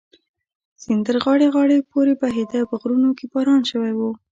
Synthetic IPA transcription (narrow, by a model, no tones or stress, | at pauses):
sɪnd̪əɾɣɑɽeɣɑɽepoɾebaɦed̪apəɣɾunokebɑɾɑnʃəwajwu